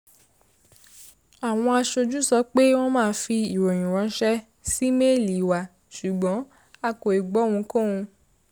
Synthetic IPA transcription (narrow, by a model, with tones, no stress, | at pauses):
a˨w̃ɔ̃˧a˧ʃo˧d͡ʒu˦sɔ˨˦k͡pe˦w̃ɔ̃˦mãː˦˧˦fi˧i˨wo˨j̃ĩ˨wɔ̃˧˦ʃɛ˦ | si˦me˦˨li˨wa˨ | ʃu˨ɡ͡bɔ̃˨˦ | a˧ko˨e˨ɡ͡bɔ˨˦w̃ũ˧kõ˦˨ũ˧